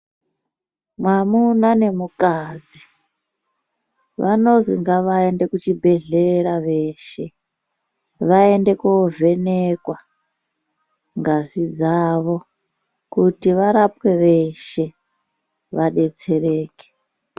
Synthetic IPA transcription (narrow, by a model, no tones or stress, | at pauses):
mwamunane̞mukad͡zi | ʋa̰no̞zḭŋɡaʋaende̞kut͡ʃibʱe̞ɮeɾaʋe̞ʃe̞ | ʋae̞nde̞kove̞nekwa | ŋɡazid͡zaʋo̞ | kutiʋaɾapwe̞ʋeʃe̞ | ʋaɗe̞t͡se̞reːke̥